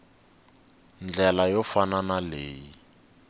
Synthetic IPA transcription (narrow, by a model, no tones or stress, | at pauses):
nd͡ɮɛlajɔfananaleːji